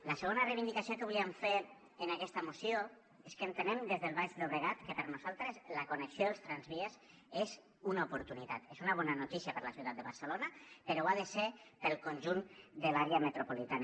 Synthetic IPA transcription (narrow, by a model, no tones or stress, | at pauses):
ləsəɣ̞onərejβind̪ikasijokəβuliemfe | ənakɛst̪əmusio | eskənt̪ənemd̪ezðəlˠβaʃd̪oβɾeɣ̞at̪kəpəɾnuzalˠt̪ɾəzləkunəksioðəlˠst̪ɾanzβiez | ez | unaupuɾt̪unit̪a̰t̪ezunaβ̞ɔnanut̪isjapəɾləsiuwt̪at̪d̪əβaɾsəlonapəɾoaðəsepəlˠkonʲʒund̪əlaɾeamət̪ɾopolit̪an